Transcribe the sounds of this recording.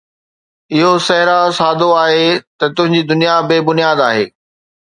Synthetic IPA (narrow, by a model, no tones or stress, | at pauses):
ɪɦosɐɦɾasaːd̪ʱoaːɦet̪ɐt̪ʊ̃ɦɪ̃ɲd͡ʑiːd̪ʊnijabeːbʊnijaːd̪aːɦḛː